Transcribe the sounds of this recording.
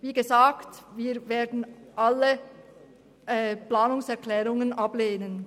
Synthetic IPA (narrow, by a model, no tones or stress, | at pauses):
viːɡəzaːktviːɐveːɐdn̩ʔalə | ʔɛplaːnʊŋsɛɐklɛːʁʊŋənʔɑbleːnən